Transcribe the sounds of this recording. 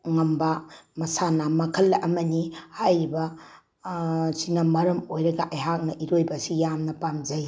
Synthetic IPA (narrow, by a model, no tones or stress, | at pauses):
ŋɐmbɐmɐsanamɐkʰɐlːʔɐmɐnihajɾibɐ | sinɐmɐɾɐmojɾɐɡɐʔɐjɦak̚nɐʔiɾojbɐsijamnɐpamd͡ʒɐj